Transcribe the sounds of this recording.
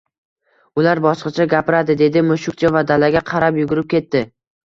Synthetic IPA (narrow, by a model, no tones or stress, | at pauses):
ʊlaɾbɒsqɑt͡ʃʰaɡʲapɪɾad̪ɪd̪e̞d̪ɪmʊʃʊk̚ʲt͡ʃʰavad̪alaɡʲaqʰɑɾapjʊɡʊɾɪp̚kʲʰe̞t̪ːɪ